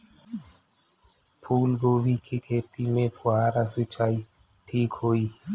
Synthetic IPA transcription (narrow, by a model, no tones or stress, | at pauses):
pʰuːlɡowikʰekʰet̪imepʰwaːɾasɨt͡ʃaj | ʈʰikʰoi